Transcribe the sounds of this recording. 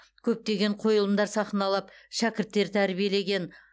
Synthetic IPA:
kʲʰɵp̚t̪e̞ɡʲe̞ɴqʰo̞jəlˠəmd̪ɑɾsɑχənɑlˠɑpʃækʲɪɾt̪ːe̞ɾt̪ʰæɾbije̞le̞ɡʲe̞n

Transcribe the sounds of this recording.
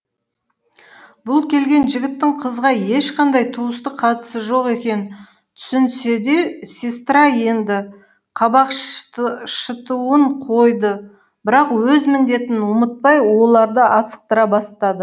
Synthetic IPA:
bʊlˠkʲʰe̞lɡʲe̞nʒɪɡʲɪt̪ːɪŋqʰəzʁɑje̞ʃqʰɑnd̪ɑjt̪ʰuəst̪əqqʰɑt̪ə̥səʒo̞qe̞kʲe̞nɪ | t̪ʰʏ̥sɪnse̞d̪e̞sʲest̪ɾɑje̞nd̪ɪ | qʰɑbɑq | ʃət̪uwəɴqʰo̞jd̪ə | b̥ɪɾɑqwɵzmɪnd̪e̞t̪ɪnʊmət̪̚pɑjwo̞lˠɑɾd̪əʔɑsə̥q̚t̪əɾɑbɑst̪ɑd̪ə

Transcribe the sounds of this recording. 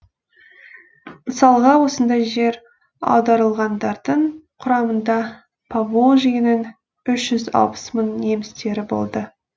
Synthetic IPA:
məsɑlˠʁɑwo̞sənd̪ɑjʒe̞ɾ | ɑ̰wd̪ɑɾəlˠʁɑnd̪ɑɾd̪əɴqʰʊɾɑmənd̪ɑ | pʰavoʒijɪnɪn | ʏʃʒ̥ʏzɑ̰lˠpə̥smənːe̞mɪst̪e̞ɾɪbo̞̰lˠd̪ə

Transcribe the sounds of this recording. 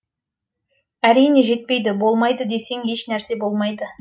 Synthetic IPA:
æɾijne̞ʒe̞t̪̚pe̞jd̪ɪbo̞lˠmɑjd̪əd̪e̞se̞ŋhe̞ʃnæɾse̞bo̞lˠmɑjd̪ə

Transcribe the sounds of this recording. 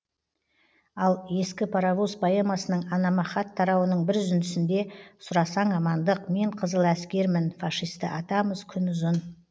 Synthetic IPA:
ɑlˠje̞skʲɪpʰaɾɑvuspoemɑsənəɴɑnɑmɑχɑt̪ʰːɑɾɑwənəɴbɪɾʒʏnd̪ɪsɪnd̪e̞sʊɾɑsɑɴɑmɑnd̪əqme̞ɴqʰəzəlˠæskʲe̞ɾmɪnfɑʃijst̪əʔɑt̪ɑməzkʲʰʏnʊzən

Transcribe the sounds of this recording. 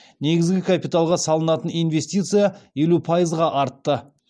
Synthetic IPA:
ne̞ɡʲɪzɡʲɪkʰapijt̪alˠʁɑsɑlˠənɑt̪ənijnve̞st̪ijt̪sɨjaje̞lupʰajəzʁɑʔɑɾt̪ːə

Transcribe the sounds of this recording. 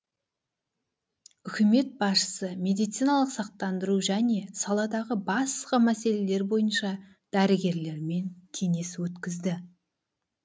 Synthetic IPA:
ʏkʲɪme̞t̪̚bɑsʃə̥səme̞d̪ijt̪sijnɑlˠəqsɑq̚t̪ɑnd̪əɾuʒæne̞sɑlˠɑd̪ɑʁəbɑsqɑmæse̞le̞le̞ɾbo̞jənʃɑ | d̪̥æɾɪɡʲe̞ɾle̞ɾme̞nt̪ʲʰe̞ne̞swɵt̪kʲɪzd̪ɪ

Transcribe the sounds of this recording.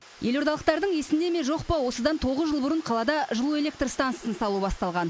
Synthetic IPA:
je̞lo̞ɾd̪ɑlˠəq̚t̪ɑɾd̪əɴje̞sɪnd̪e̞meʒo̞qpɑwo̞səd̪ɑnt̪ʰo̞ʁəzʒəlˠbʊɾəɴqʰɑlˠɑd̪ɑʒəlˠue̞lʲe̞k̚t̪rst̪anssənsɑlˠubɑst̪ɑlˠʁɑn

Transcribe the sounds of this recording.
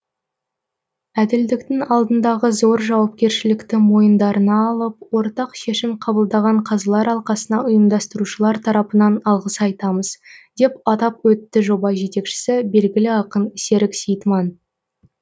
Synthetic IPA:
æd̪ɪld̪ɪkt̪ɪŋɑlˠd̪ənd̪ɑʁəzo̞ɾʒɑwɑp̚kʲe̞ɾʃɪlɪkt̪ɪmo̞jənd̪ɑɾənɑːlˠəp̚wo̞ɾt̪ɑqʃe̞ʃɪmqʰɑbəlˠd̪ɑʁɑɴqʰɑzɑlˠɑɾɑlˠqɑsənɑʊjəmd̪ɑst̪əɾuʃəlˠɑɾt̪ʰɑɾɑpənɑnɑlˠʁəsɑjt̪ɑməz̥d̪̥e̞pɑt̪ɑpwɵt̪ːɪʒo̞bɑʒe̞t̪e̞kʃɪ̥sɪbe̞lɡʲɪlɪɑqənɪse̞ɾɪksejt̪mɑn

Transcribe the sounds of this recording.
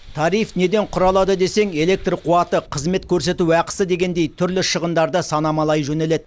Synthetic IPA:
t̪ʰɑɾijfne̞d̪e̞ɴqʰʊɾɑlˠɑd̪əd̪e̞se̞ŋe̞le̞k̚t̪rqʰuɑt̪əqʰəzme̞t̪kʲʰɵɾse̞t̪uɑqə̥səd̪e̞ɡʲe̞nd̪e̞jt̪ʰʏɾlɪʃəʁənd̪ɑɾd̪əsɑnɑmɑlˠɑjʒɵne̞le̞d̪

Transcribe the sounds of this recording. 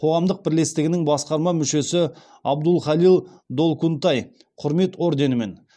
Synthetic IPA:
qʰo̞ʁɑmd̪əq̚bɪɾle̞st̪ɪɡʲɪnɪŋbɑsqɑɾmɑmʏʃe̞sɪ | ɑbd̪ʊlˠχɑlˠilˠd̪o̞lˠkunt̪ɑj | qʰʊɾme̞t̪wo̞ɾd̪e̞nɪme̞̰n

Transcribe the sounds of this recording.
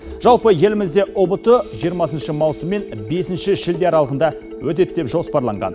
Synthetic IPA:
ʒ̥ɑlˠpəje̞lɪmɪzd̪e̞ʔobət̪əʒijəɾmɑsənʃəmɑwsəmːe̞nbe̞sɪnʃɪʒɪld̪e̞ɑɾɑlˠəʁənd̪ɑ | wɵt̪̬et̪ːe̞pʒo̞spɑɾlˠɑɴʁɑ̰n

